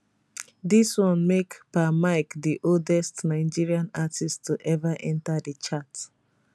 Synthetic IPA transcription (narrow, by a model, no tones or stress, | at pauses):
diswɔ̃nmekpamaɪkdiʔoldɛstnaɪd͡ʒiɹiãnatʰistʰuʔɛvaʔɛ̃ntadət͡ʃat